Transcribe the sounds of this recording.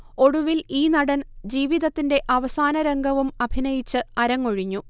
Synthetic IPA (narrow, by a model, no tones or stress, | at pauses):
o̞ɽuʋiliːnɐɽɐnd͡ʑiːʋiðɐt̪ːinde̞ʔɐʋɐsaːnɐɾeŋɡʱɐʋumɐbʱinɐjit͡ɕːɨɐɾɐŋːoɻiɲːu